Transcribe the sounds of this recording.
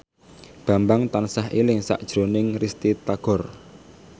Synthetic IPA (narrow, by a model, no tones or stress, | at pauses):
b̥ä̤mbaŋt̪ansaɦʔilɪŋsa̰ʔd̥ʒ̥ɾo̤nɪŋrist̪it̪aɡ̥ɔ̤r